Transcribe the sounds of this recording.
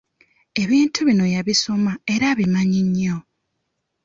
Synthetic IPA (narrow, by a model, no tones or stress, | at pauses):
e̞βiːntʰuβino̞jaβiso̞mae̞ɾaβimaɲiɲːo̞